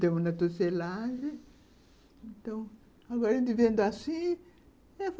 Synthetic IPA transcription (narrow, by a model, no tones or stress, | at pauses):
t̪ẽmʊnɐt̪oselaʒẽ | ẽnt̪ɐ̃w̃ | aɡɔɾẽd̪ivẽnd̪ʊasĩ | ɛf